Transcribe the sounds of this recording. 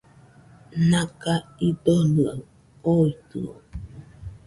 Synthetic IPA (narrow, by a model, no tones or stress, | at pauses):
nakaid̪onɨa | oit̪ɯ̰o̰